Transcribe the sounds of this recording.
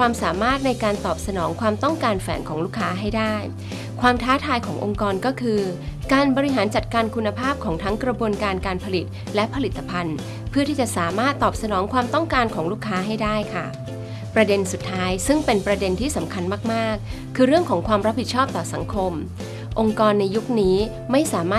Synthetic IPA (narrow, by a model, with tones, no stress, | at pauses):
kwaː˧msaː˩˦maː˥˩t̪̚na˧jkaː˧nt̪ɔː˨˩p̚sa˧nɔː˩˦ŋkʰwaː˧mt̪ɔ˥˩ŋkaː˧nfɛː˩˦nkʰɔː˩˦ŋluː˥˩kʰːaː˦˥ɦa˥˩jdaː˥˩j | kʰwaː˧mt̪ʰaː˦˥t̪ʰaː˧jkʰɔː˩˦ŋʔo˧ŋkɔː˧nkɔː˥˩kʰɯː˧kaː˧nbɔː˧ɾi˦˥ɦaː˩˦nt͡ɕa˨˩t̪̚kaː˧nkʰu˧nːa˧pʰaː˥˩p̚kʰɔː˩˦ŋt̪ʰa˦˥ŋkɾa˧bu˧ənkaː˧nkaː˧npʰa˧li˨˩t̪̚ | lɛ˦˥pʰa˧li˨˩t̪ʰːa˧pʰa˧n | pʰɯ˥˩t̪ʰiː˥˩t͡ɕa˨˩ʔsaː˩˦maː˥˩t̪ːɔː˨˩p̚sa˧nɔː˩˦ŋkʰwaː˧mt̪ɔ˥˩ŋkaː˧nkʰɔː˩˦ŋluː˥˩kʰːaː˦˥ɦa˥˩jdaː˥˩jkʰa̰˥˩ | pɾa˧de˧nsu˨˩t̪ʰːaː˦˥jsɯ˥˩ŋpe˧npɾa˧de˧nt̪ʰiː˥˩sa˩˦mkʰa˧nmaː˥˩k̚maː˥˩kʰː | ɯː˧ɾɯ˥˩əŋkʰɔː˩˦ŋkʰwaː˧mɾa˦˥p̚ʰːi˨˩t͡ɕʰɔː˥˩p̚t̪ɔː˨˩sa˩˦ŋkʰo˧m | ʔo˧ŋkɔː˧nːa˧jːu˦˥k̚niː˦˥ | ma˥˩jsaː˩˦maː˥˩